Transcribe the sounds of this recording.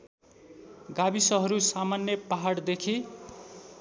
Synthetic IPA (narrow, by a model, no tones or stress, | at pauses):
ɡabisʌɦʌɾusamanjʌpaɦaɽd̪ekʰi